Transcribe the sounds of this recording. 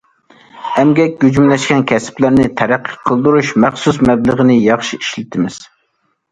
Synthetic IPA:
ɛmɡʲɛk̚ʲɡʲyd͡ʒymlɛʃkʲɛnkʲʰɛsɪ̥plæɾnɪt̪ʰɛɾæqʰːə̥qʰːəlˠd̪uɾuʃmɛχsusmɛbləʁənɪjɑχʃiiʃlɪt̪ʰɪmɪz̥

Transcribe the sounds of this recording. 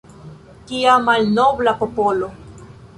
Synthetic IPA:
kiamalnoblapopolo

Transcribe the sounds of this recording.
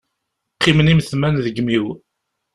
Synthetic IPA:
qːimənimθmænðəɡmiw

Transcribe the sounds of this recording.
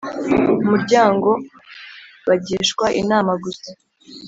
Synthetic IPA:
umuɾɟaːŋɡo̞ | βaɟiʃkwaʔinaːmaɡusḁ

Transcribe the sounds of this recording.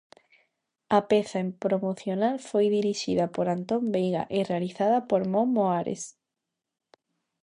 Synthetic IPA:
apeθaempɾomoθjonalfojðiɾiʃiðapoɾant̪ombejɣa̰ʔerealiθaðapoɾmõmːoaɾḛs

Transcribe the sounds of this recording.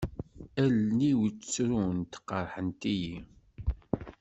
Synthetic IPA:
ælniwt͡st͡sːɾunt̪ə̥qːəɾˤħənt̪iji

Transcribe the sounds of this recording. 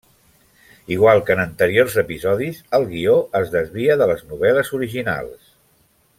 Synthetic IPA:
iɣwalˠkənənt̪əɾiorzəpizɔðizəlˠɣioəzðəzβiəðələznuβɛləzuɾiʒina̰lˠs

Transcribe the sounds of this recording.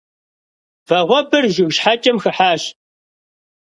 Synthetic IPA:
vɐʁʷɔbɨrʒʊɣʃħat͡ʃʼɐmxɨħaːɕ

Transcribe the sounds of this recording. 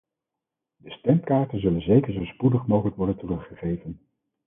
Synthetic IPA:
dəstɛmkaːɹtənzɵlənzejkəɹzowspudəχmowχələkʋɔɹdəntərɵχːəχejvən

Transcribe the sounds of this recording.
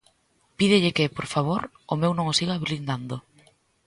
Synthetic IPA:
piðɪʎɪkɪpoɾfaβ̞oɾ | ʊmewnõŋosiɣaːβilind̪and̪o

